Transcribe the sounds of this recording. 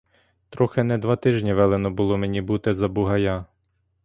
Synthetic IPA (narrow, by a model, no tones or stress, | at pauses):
t̪ɾɔxenɛd̪ʋɑt̪ɪʒnʲiʋɛlˠenɔbʊlˠɔmenʲibut̪ɪzɐbʊɦɐja